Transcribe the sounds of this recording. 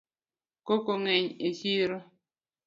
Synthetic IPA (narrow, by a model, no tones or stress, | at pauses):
kokoŋɛɲeʃiɾo